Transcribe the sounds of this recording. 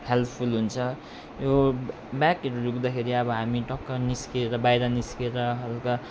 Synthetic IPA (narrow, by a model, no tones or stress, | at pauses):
helpʰulɦunt͡sʰʌ | jo | bakʌɾurukd̪akʰeɾiʌbʌɦamiʈʌkːʌrniskeɾʌbajɾʌniskeɾʌɦʌlkʌ